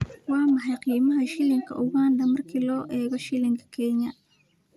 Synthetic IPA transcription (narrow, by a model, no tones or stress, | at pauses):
wɑːmɐħɑjqiːmɐɦɐʃɪlɪŋkʰɐ̰ʔʊɣaːnd̪ɐmɐrkʰiːlɔːʔɛːɣɔʃɪlɪŋkʰɐ̥kʰɛɲɐ